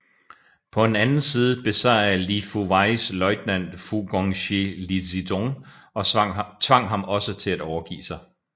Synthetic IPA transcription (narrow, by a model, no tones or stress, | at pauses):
pʰɒ̽e̝nænn̩siːð̞ˠəb̥e̝sɑlifuʋɑ̈ɪslɒ̽ɪd̥næn̰d̥fuɡ̥ɒŋɕelisidoŋ | ɒ̽t͡sʰʋɑ̈ŋ̰ɦɑ̈mɒ̽sət͡sʰe̝læd̥ɒʊɐɡ̥ḭːsɑ̈ɪ